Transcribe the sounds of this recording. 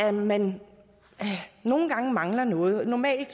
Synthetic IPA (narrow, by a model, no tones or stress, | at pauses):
æmen | no̝ːn̩ɡ̥ɑ̈ŋəmɑ̈ŋlɐnɔ̽ːð̞̩ˠnɒmɛ̰ːld̥